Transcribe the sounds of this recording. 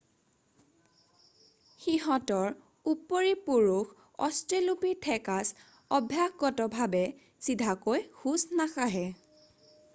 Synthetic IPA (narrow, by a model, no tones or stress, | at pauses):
xiɦɔtɔɹ | upːoɹipuɹux | ɔstelupitʰɛkas | ɔbʱjakɡɔtɔbʱabɛ | sidʱakojxusnaxaɦɛ